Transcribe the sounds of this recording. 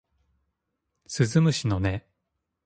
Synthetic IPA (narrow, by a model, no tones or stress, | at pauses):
sɨzɨmɯ̟ɕino̞ne